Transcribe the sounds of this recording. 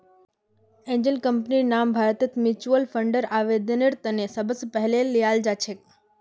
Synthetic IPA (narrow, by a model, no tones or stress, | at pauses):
ẽɲd͡ʒənkəmpninambʱaɾət̪ət̪ʰmit͡ʃuəlfʰəɳɖəɾaʋed̪ənəɾt̪ənesəbəspəɦlelːijald͡ʒat͡ʃʰek